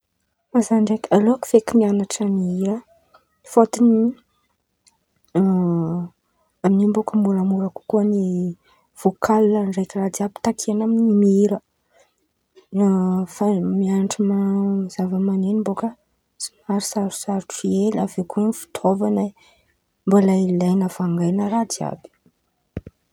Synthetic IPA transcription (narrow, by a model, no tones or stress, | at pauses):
mazaɳɖ͡ʐekaloaku̥fekinianaʈ͡ʂamiiɾə | fot̪ini | aminimbokəmbuɾamuɾəku̥kuəni | v̥okʰalːanɖ͡ʐekrad̪iapi̥t̪akʰeanaminimiiɾə | famianʈ͡ʂimz̥avəmanenimbokə | si̥maɾisaɾu̥saɾuʈ͡ʂielavekuənifi̥t̪ʰovana | mbalailajnafaŋɡajnəɾad̪ia̰bi̥